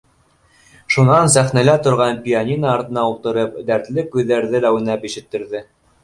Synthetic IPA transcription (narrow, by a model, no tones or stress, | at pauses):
ʃunɑnsæχnælæt̪ŏɾʁɑnpʲianʲinɑːɾt̪ɤ̆nɑulˠt̪ɤ̆ɾɤpd̪æɾt̪lɘkʉðːæɾðɘlæwɘ̆næpiʃɘ̆t̪ːɘ̆ɾðɘ